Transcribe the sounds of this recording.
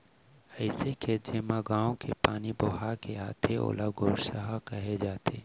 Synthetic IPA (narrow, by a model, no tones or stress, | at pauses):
ɐɪseked͡ʒeːmãɡaːõkepaːniboːɦakeaːt̪ʰeo̰ːlaɡʱoːɾʃəɦakɐɦed͡ʒaːt̪ʰḛː